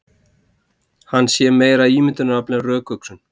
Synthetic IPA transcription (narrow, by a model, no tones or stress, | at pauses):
hanːsjɛːmeːjɾaiːmɪt̪ʏnaɾaplnɛrœːkœksʏn